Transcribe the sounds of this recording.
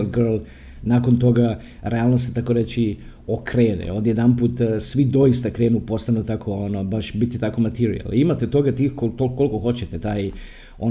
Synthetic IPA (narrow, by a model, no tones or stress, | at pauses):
lɡərlˠ | nako̞nt̪o̞ɡa | ɾe̞aːlˠnost̪et̪akoɾet͡ɕi | okɾeːnḛo̞d̪jed̪anpuːt̪sʋid̪o̞ist̪akɾe̞ːnupo̞st̪anut̪akʰo̞onobaʃbit̪ːit̪ako̞mat̪iɾḭa̰limat̪et̪o̞ɡat̪iːxkolt̪olko̞lkoxo̞t͡ɕet̪et̪aːj | o